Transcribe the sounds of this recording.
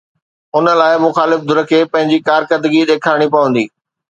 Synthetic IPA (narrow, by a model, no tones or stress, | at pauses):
ʊnə̆laːɪmʊxaːlɪfd̪ʊɾə̆kʰeːpɐ̃ɦɪ̃ɲd͡ʑikaːɾkəd̪əɡiɗeːkʰaːɽ̃ipɐʋə̃nd̪iː